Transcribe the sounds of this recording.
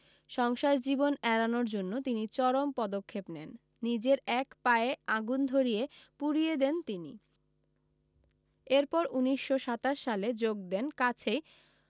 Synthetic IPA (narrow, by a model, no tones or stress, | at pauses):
ʃɔŋʃaɾd͡ʑibonɛɾanoɾd͡ʑonːot̪init͡ɕɔɾompɔd̪okʰːepnɛnː | id͡ʑeɾɛkpaeaɡund̪ʱoɾijepuɾijed̪ent̪inḭ | eɾpɔɾuniʃːoʃat̪aʃːaled͡ʑoɡ̚d̪enkat͡ɕʰej